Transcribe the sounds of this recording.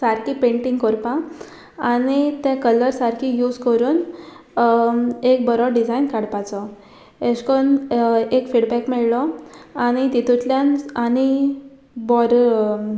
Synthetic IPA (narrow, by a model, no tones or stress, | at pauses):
saɾkipẽɳʈiŋɡkɔɾpã | anit̪ɛ̃kələɾsaɾkʰijud͡zkəɾuːn | ek̚bəɾɔɖid͡zajnkaɽpat͡sɔ | eɕkonekfiɽbɛkmɛɭlɔañit̪it̪ut̪ljanani | bɔɾ